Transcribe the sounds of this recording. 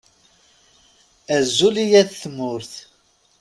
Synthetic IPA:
æzːulijæθθmʊɾθ

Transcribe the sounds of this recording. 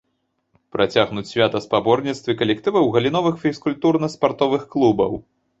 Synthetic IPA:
pɾʔat͡sʲaɣnut͡sʲsʲvʲat̪ɐspabɔrnʲit̪st̪vʲɨkɐlʲɛk̚t̪ɨvɐwɣɐlʲin̪ɔvɨxfʲiskulʲt̪urnɐspart̪ɔvɨxklˠubɐ̰w

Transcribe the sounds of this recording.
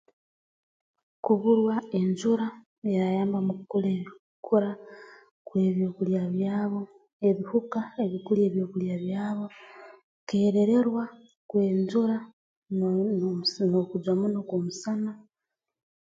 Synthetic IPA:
kuβuɾwae̞ɲd͡ʒuɾa | eɾajaːmbamukukuleβi | kuɾa | kwe̞ːβjoːkuljaβjaːβo̞ | e̞βihukaeβikulje̞ːβjoːkuljaβjaːβo̞ | ke̞ːɾe̞ɾe̞ɾwa | kwe̞ːɲd͡ʒuɾa | nokud͡ʒwamunokwomusana

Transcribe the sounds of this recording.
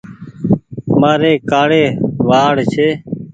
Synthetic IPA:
maːɾeːkaːɽeːʋaːɽt͡ʃʰeː

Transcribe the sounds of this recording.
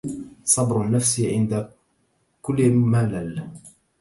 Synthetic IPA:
sˤɑbɾʊnːafsʕɪnd̪a | kʊlːmaːlal

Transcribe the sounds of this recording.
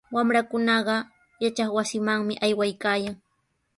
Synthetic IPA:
wamɾakʊnɑɢɑ | jat͡ʃɑχwasɪmaŋmɪʔajwajkaːjaŋ

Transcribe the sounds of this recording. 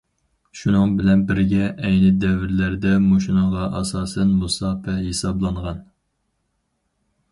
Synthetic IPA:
ʃunɨŋbɪlɛnbɪɾɡʲɛʔɛjnɪd̪ɛvɪɾlæɾd̪ɛmoʃinɨŋʁɑʔɑsɑːsɛnmusɑːfɛhesɑblˠɑɴʁɑn

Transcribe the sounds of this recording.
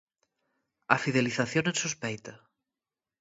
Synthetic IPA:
ɐfið̞eliθaθjonẽnsuspejt̪ɐ

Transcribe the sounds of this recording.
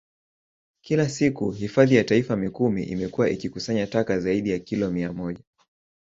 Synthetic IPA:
kilasikuhifaðijataifamikumḭʔḭmɛkuwaʔikikusaɲatakazaiɗijakilɔmiamɔʄa

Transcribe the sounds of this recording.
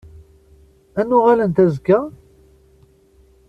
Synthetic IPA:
ænːʊʁælənt̪æzkːæ

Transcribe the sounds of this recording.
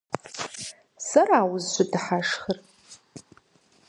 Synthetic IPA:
sɐraːwʊzʃʷʊdɨħaʂχər

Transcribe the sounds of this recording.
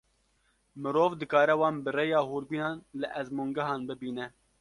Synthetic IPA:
mɨɾoːvd̪ɨkɑːɾɛwɑːnbɨrejɑːhuːɾbiːnɑːnlɨʔɛzmuːŋɡɛɦɑːnbɨbiːnɛ

